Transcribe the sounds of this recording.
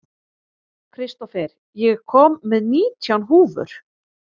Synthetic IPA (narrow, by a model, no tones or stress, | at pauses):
kʰɾɪst̪ɔfɛɾ | jɛɣkʰɔːmːɛðniːt̪ʰjawnɦuːvʏ̰ɾ̥